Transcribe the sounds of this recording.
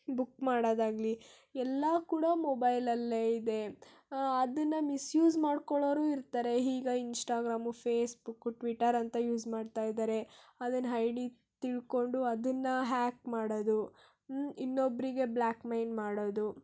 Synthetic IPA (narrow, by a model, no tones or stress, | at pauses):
bukːmaːɽoːd̪aːɡli | ɛlːɐkuːɽɐmɔbɐjlɐlːeid̪e̞ | ɐd̪ɐnːɐmisjuːzmaːɖkoɭoːɾuːiɾt̪aːɾe̞ɦiːɡɐinsʈaːɡɾaːmupʰeːsbukːuʈʋiʈːɐɾɐnt̪ɐjuːd͡ʒmaːɖt̪aːjd̪aːɾe̞ɐd̪ɐnɐɦɐjɖi | t̪iɭko̞ɳɖuɐd̪ɐnːɐɦaːkmaːɽod̪u | inːobɾiɡe̞blaːkmɐjnmaːɽoːd̪u